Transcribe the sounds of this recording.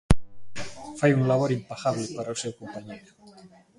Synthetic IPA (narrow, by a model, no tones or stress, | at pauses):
fajunlaβoɾimpaxaβlepaɾawsewkompaɲejɾu